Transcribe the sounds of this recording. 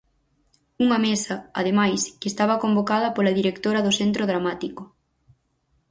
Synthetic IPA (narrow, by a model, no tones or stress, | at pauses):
uŋɐmesɐɐ̰ðemajskest̪aβɐkombokað̞ɐpolɐðiɾekt̪oɾɐðʊsent̪ɾoðɾamat̪iko